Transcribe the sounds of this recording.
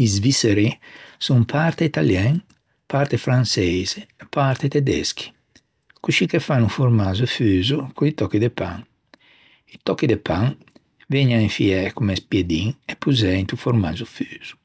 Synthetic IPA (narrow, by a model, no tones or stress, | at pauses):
izviseɾisumpʰaɾt̪eit̪aljɛŋ | pʰaɾt̪efɾansɛjzeepaɾt̪et̪ed̪ɛ̰skʰi̥ | kuʃikefanufoɾmazuefyːzukʰuit̪ɔkːid̪epa̰ŋ | it̪ɔkːid̪epaŋ | vɛɲaiɱfiɛkumespjed̪iŋepːuzɛ̃nt̪ufoɾmazufyːz̥u̥